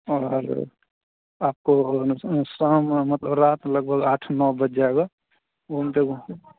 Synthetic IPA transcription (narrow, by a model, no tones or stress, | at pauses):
ɔːɾ | aːp̚ko | səɦmmət̪ləbɾaːt̪ləɡ̚bʱəɡaːʈʰnɔːbəd͡ʒd͡ʒaɛɡa | oɦəmt̪eko